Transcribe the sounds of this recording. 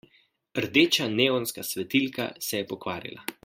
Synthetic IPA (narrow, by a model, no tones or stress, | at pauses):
ɾd̪eːt͡ʃaneːɔnskasʋɛt̪ilka̰sɛjɛpɔkʋaːɾḭlʔa̰